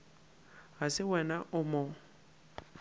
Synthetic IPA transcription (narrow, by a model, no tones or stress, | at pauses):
ɦasɪwɛnaʔʊmɔ